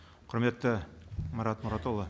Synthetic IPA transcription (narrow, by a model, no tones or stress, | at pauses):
qʰɵ̆ɾmet̪ːɘmɑɾɑt̪mʊ̆ɾɑt̪olˠɤ